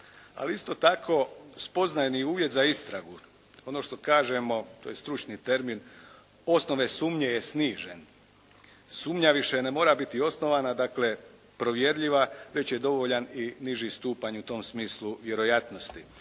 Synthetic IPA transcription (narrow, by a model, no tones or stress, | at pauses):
a̰liist̪o̞t̪akʰo̞spo̞znajniuːʋjet̪zaist̪ɾaɡu | o̞no̞ʃt̪o̞kaːʒe̞mo̞t̪oːjest̪ɾut͡ʃnit̪e̞ɾmin | o̞sno̞ʋe̞suːmɲejesniːʒen | suːmɲaʋiʃenemo̞ːɾabit̪io̞sno̞ʋanad̪akle̞ | pɾo̞ʋje̞ɾʎiʋaʋe̞t͡ɕje̞d̪o̞ʋo̞ʎaniniʒist̪uːpaɲut̪o̞ːmsmiːslˠuʋje̞ɾo̞jat̪no̞st̪i